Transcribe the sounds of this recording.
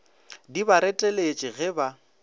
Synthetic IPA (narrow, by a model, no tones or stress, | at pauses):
dibaɾɛtʼɛlet͡ʃʼɪɣɛba